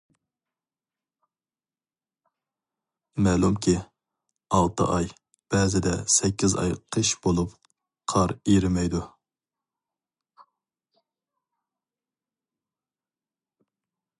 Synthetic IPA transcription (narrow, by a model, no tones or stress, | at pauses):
mɛlˠumkʲʰi | ɑlˠt̪ʰə̰ʔɑj | b̥ɛːzɪd̪ɛsɛkʲʰːizɑ̰jqʰəʃb̥olˠup | qʰɑɾiɾɪmɛjd̪u